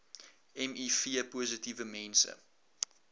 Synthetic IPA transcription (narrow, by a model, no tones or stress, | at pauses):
ɛmifiəpuəzətivəmɛnsə̰